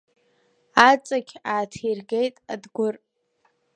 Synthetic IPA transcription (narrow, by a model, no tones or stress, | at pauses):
at͡sʼaɡʲaːtʰirɡejtʼadɡʷʊr